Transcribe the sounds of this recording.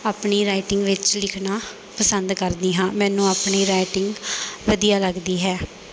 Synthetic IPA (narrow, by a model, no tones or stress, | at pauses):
aːpɳiːɾaːiʈɪŋɡʋɪt͡ʃlɪkʰnaː | pəsənd̪kəɾd̪iːɦãːmɛ̃ːnũːaːpɳiːɾaːɪʈɪŋɡʋəd̪ijaːləɡd̪iːɦɛː